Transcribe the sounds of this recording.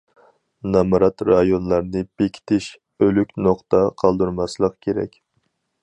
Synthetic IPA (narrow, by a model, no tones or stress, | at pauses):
nɑmɾɑt̪ɾɑjonlˠɑɾnɨb̥ekʲʰi̥t̪ʰɪʃ | ølykʲnoχt̪ʰɑqʰɑlˠd̪uɾmɑslˠəqkʲʰeɾɛ̰kʲ